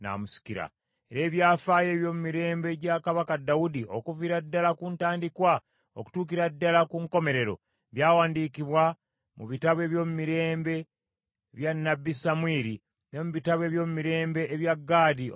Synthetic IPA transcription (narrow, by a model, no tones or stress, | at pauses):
na̰musi̥kiɾa̰ | e̞ɾe̞ːβjaːfaje̞βjo̞ːmumiɾe̞ːmbe̞ɟakaβakadawudio̞kuviɾadːalakuntaːndikwa | o̰ku̥tuːkiɾadːalakuŋko̞me̞ɾe̞ɾo̞̰ | βjaːwaːndiːkiβwa | muβitaβwe̞ːβjo̞ːmumiɾe̞ːmbe̞ | βjanːabːisamwiːɾi | nemuβitaβwe̞ːβjo̞ːmumiɾe̞ːmbe̞ːβjaɡːaːdi